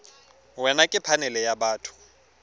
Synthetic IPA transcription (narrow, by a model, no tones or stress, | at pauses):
wɛnakʼɪpʰanɛlɛjabaːtʰʊ̥